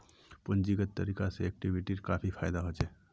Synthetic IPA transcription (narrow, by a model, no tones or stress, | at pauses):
pənd͡ʒiɡət̪ːəɾikaseek̚ʈibʱiʈiɾkapʰipʰajd̪aɦot͡ʃɛ